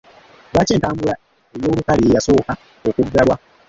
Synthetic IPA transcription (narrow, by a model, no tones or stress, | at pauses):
βaceːntaːmbula | e̞jo̞ːβukaliejaso̞ːka | o̞kuɡːalwa